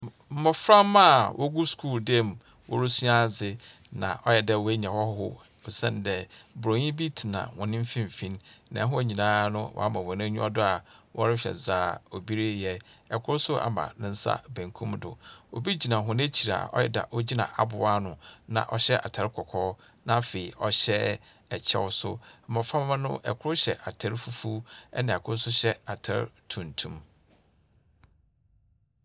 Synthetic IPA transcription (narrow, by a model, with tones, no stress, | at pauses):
m̩˦mʊ˨fɾã˦mːã˦˨wʔɔ˦ɡu˦skʰuː˦˨ldɛ˦˨m˨ | wɔ̰˦ɾʊ˦su˦a˦˨zɪ˨ | nã̰˨ʔɔ˦jɛ˨dɛ˦˨wæ˦ɲã˨wɔ˦hhʊ̰˦ | o˨sɛ̰̃˦n˨dɛ˦bʊ˨ɾo˨ɲĩ˦bi˦tʰi˨nã̰˨hʊ̃˨nɪ̃˦m̩˦fĩ˦m˨fĩ˦nnã̰˨˦ɦʊ̃˦˨ɲĩ˨nãː˦nʊ̃˦wɔ̰˨a˦mã˨wɔ˨nɛ̃˦ɲᶣũ˦ɔ˦dʊ˦a˨wʔɔ˦ɾɪ˦ɕᶣɛ̰˨zaː˨˦˨o˨bi˦ɾe˦jɛ˦ɛ˨kʰʊ˦ɾsʊ˦a̰˨mã̰˨nɪ̃˦n̩˦sa̰˦bæ̃˨ŋkʰũ˦mdʊ̰˨o̰˨bi˦d͡ʑi˨nã˨ɦʊ̃˦n˦e˦t͡ɕʰi˨ɾa̰˨ɔ̰˦jɛ˦da̰˨ʔɔ˦d͡ʑi˦nã̰˨ʔa˨bʊ˨a˦nʊ̃˨nã̰˨ʔɔ˦ɕɛ˦ʔa̰˨tʰa˨ɾkʰɔ˨kʰɔː˦ | nã˦fe˨i˨ʔɔ˦ɕɛ˦ | ɛ˨t͡ɕʰɛ̰˦wʊ˦sʊ̰˦˨mã˨fã˦m˦m˦nʊ̃˦ʔɛ̰˨kʰʊ˦ʊ˦ɕɛ˨ʔa˨tʰa˦ɾfu˦fu˦ɛ̰˦nã˨kʰʊ˦ɾsʊ˦ɕɛ˦a˨tʰa̰˦˨ɾtʰũ˨ntʰũ˦m